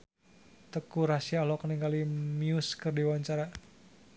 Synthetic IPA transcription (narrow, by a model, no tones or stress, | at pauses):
t̪əkuɾasialɔkniŋɡalimiuskɨrdiwaɲt͡ʃaɾa